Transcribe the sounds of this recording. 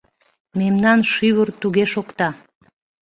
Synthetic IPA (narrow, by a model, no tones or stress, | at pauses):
memnɑnʃyβərt̪uɣeʃokt̪ɑ